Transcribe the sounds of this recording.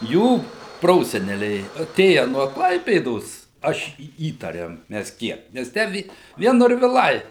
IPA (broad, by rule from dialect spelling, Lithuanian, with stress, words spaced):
ˈjuː ˈproːsʲɛnʲɛlʲɛɪ ɐˈtʲeːjɛ nuɔ ˈklˠɐɪpʲeːdoːs ˈɐʃ iː ˈiːtɐrʲeːm ˈmʲɛs ˈkʲiɛk ˈnʲɛs ˈtʲæː ʋʲiɛ ˈʋʲiɛn noːrʲʋʲɪˈlˠɐɪ